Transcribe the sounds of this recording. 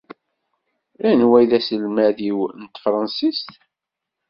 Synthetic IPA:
lænwæjðæsəlmæðiwnt̪fɾˤɑnsist̪

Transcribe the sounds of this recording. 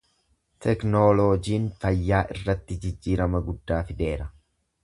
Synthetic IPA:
t̪ʰɛknoːlod͡ʒiːnfɐjːaːʔɪrːɐt̪ːɪd͡ʒɪd͡ʒːiːɾɐmɐɡʊd̪ːaːfɪd̪e̞ːɾɐ

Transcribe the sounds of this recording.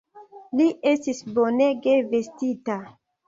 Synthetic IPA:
liʔe̞stisbo̞neɡeve̞stita

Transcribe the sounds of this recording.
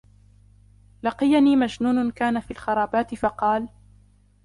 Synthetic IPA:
lɑqɨjaniːmad͡ʒnuːnʊnkaːnafiːlxɑɾˤɑːbaːt̪ɪfɑqɑːl

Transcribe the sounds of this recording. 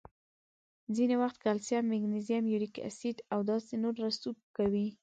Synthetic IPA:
zinewaxt̪kalsjamːɪɡnezijamjuɾika̰sid̪awd̪ɑsenoɾːasub̚kawi

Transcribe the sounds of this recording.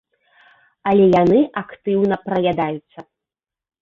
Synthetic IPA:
ɐlʲɛjanɨʔakt̪ɨwnɐpɾɐjad̪ajut̪sːɐ

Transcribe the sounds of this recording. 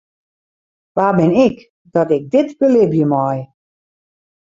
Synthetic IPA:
ʋaːbɪnɪk | dɔtɪk̚dɪtbəlɪbjəmɔj

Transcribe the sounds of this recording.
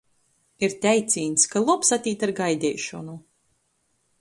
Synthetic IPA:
iɾt̪ʲɛjt̪sʲiːnskalˠɔpsat̪ʲiːt̪aɾɡajd̪ʲɛːʃɔnu

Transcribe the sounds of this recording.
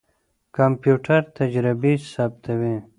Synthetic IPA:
kampjuːʈʰaɾt̪ad͡ʒɾɪbisaːb̚t̪ʰawi

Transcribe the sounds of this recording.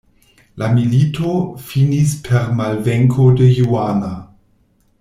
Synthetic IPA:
lamilitʰofinispʰeʁmalveŋkʰodəjuana

